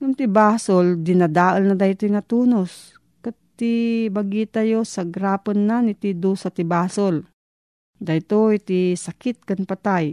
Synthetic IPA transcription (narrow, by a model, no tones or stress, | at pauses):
jʊŋt̪ɪbaːsold̪ɪnad̪aːʔəlnad̪ajt̪ojŋat̪uːnos | kat̪ːibɐɡiːt̪ajosaɡɾaːpənːanɪt̪id̪usat̪ɪbaːsol | d̪ajt̪oit̪isakɪt̪̚kanpat̪aj